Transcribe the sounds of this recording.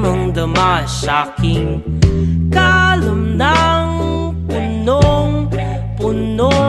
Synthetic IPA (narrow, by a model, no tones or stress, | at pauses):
mɐŋd̪ɐmaʃakiŋ | kalumnaŋ | punoŋ | pʊno